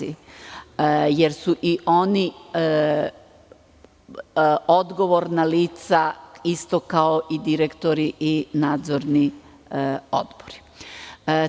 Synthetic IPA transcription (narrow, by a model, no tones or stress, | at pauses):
i | jeɾsuʔiʔo̞ni | o̞d̪ɡo̞ʋo̞ɾnaliːt̪saist̪o̞kaoʔid̪iɾekt̪o̞ɾiʔinaːd̪zoɾni | o̰d̪boɾi̥